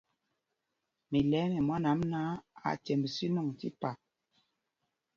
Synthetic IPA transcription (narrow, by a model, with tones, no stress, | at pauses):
mi˨lɛ˨˦mɛ˨ma˦na˨˦mna˦a̰˨tɛ˨mbsi˦nɔ˦˨ŋtḭ˦pa˨